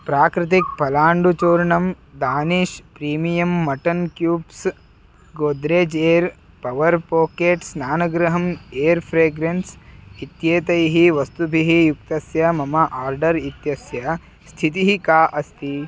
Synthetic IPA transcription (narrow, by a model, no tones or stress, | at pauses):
pɾaːkɾɪt̪̬ik̚pɐlaːɳɖut͡ʃoːɾɳɐm | d̪aːniːʃpɾiːmijɐmːɐʈɐnkjuːbs | ɡoːd̪ɾeːd͡ʒeːɾ | pɐʋɐɾpoːkeːʈsnaːnɐɡɾɐɦɐmeːɐɾpʰɾeːɡɾensit̪jeːt̪ɐjɦiʋɐst̪ubʱiɦijuk̚t̪ɐsjɐmɐmɐʔaːɾɖɐɾit̪jɐsjɐ | st̪ʰit̪̬iɦikaːʔɐst̪i